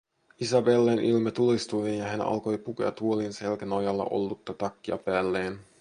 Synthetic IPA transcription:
isɑbelːenʔilmɑt̪ulist̪uʋeːnjɑɦænɑ̰lko̞jpukḛɑ̰t̪uolinse̞lkænojɑlːɑ̰ʔo̞̰lːut̪ːɑt̪ɑkːiɑpæːlːeːn

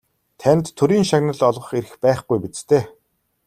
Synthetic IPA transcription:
t̪ʰænʲt̪ʰːɵɾiːŋʃaɣnə̆ɮɔɮʁɞ̆χeɾɘ̆xpæːχɡujpit͡st̪ʰeː

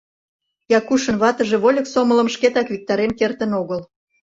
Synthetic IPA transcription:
jɑkuʃə̆nβɑt̪əʒeβolʲə̆ksomələ̆mʃket̪ɑkβʲik̚t̪ɑɾemkert̪ənoɣəl

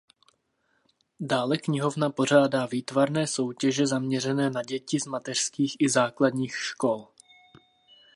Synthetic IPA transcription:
daːlɛkɲɪɦo̞vnapo̞r̝aːdaːviːt̪vaɾnɛːso̞wcɛʒɛzamɲɛr̝ɛnɛːnaɟɛcɪzmat̪ɛr̥skiːxʔɪzaːkladɲiːxʃko̞l

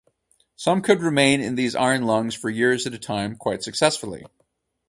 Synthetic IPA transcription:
sʌ̃mkʰɨd̚ɹɨmẽɪ̃nɪ̰̃nðiza̰ɪə̃nlʌ̃ŋz̥fə˞jɪɹzɨɾɨtʰãɪ̃mkʰw̥aɪtsɨksɛsfl̩ˠḭ

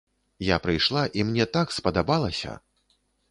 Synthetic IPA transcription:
japɾɨjʂlˠaʔimnʲɛt̪akspɐd̪abalˠɐsʲɐ̰

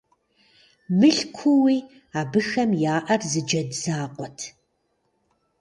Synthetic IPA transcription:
mɨɬkʷʰʊwiː | aːbɨxɐmjaːʔɐrzɨd͡ʒɐdzaːqʷʼɔtʰ

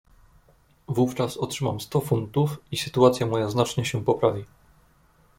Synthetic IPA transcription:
vuft͡ʂasɔtʂɘmamst̪ɔfunt̪ufisɘt̪uat̪sʲjamɔjaznat͡ʂɲɛɕɛpɔpɾavʲi

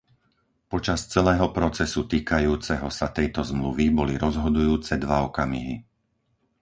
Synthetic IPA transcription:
pɔt͡ʃast͡sɛlɛːɦɔpɾɔt͡sɛsut̪iːkajuːt͡sɛɦɔsat̪ɛjt̪ɔzmluʋibɔliɾɔzɦɔd̪ujuːt͡sɛd̪ʋaɔkamḭɦi

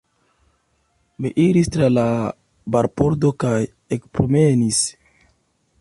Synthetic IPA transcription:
miʔiɾistɾala | baɾpoɾdokaj | ekpɾomenis

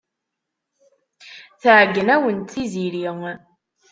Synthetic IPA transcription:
θʕɡːənæwənt̪θiziɾiŋ

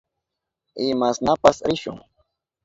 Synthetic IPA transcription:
ɪmasnapasɾɪʃʊ̰ŋ

